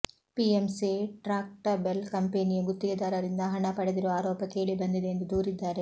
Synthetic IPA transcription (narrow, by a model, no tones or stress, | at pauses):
piemsiʈɾaːk̚ʈɐbelkɐmpeːnijɐɡut̪ːiɡɐd̪aːɾɐɾind̪ɐɦɐɳɐpɐɽed̪iɾoaːɾɔːpɐke̞ːɭibɐnd̪id̪eːnd̪ud̪uːɾid̪ːaːɾe̞